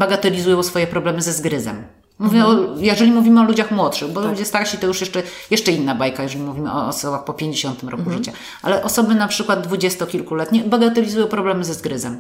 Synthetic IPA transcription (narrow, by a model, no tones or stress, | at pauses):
baɡat̪ɛlʲizujɔ̃wsfɔjɛpɾɔblɛmɘzɛzɡɾɘzɛ̰mː | uvʲjɛɔjɛʐɛlʲimuvʲimɘɔlud͡ʑaxmwɔt̪ʂɘxbɔud͡ʑɛst̪akɕit̪ɔjuʂjɛʂt͡ʂɛjɛʂt͡ʂɛinːabajkajɛʐɛlʲimuvʲimɘ̰ɔ̰ːsɔbaxpɔpʲjeɲd͡ʑeɕɔnt̪ɘmɾɔ̰kuʐɘt͡ɕa | ʔa̰lɛʔɔsɔbɘnapʂɘkwad̪̚d̪vud͡ʑɛst̪ɔkʲilkulɛt̪ɲɛbaɡat̪ɛlʲizujɔ̃w̃pɾɔblɛmɘzɛzɡɾɘzɛm